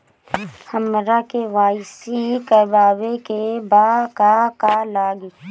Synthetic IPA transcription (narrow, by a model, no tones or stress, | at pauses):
həmɾakeʋaːɪsikəbaːwekebaːkakalaːɡi